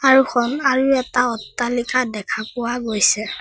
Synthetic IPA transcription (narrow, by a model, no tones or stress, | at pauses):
aɹuxʰɔnaɹuɛtaɔtːalikʰadɛkʰapʊwaɡojsɛ